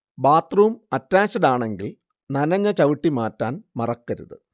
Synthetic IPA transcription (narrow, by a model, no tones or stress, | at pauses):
baːt̪ruumɐtːaːɕɐðaːɳe̞ŋɡil | nɐnɐɲːɐt͡ɕɐʋiʈːimaːtːaːnmɐrɐkːɐɾṵðɨ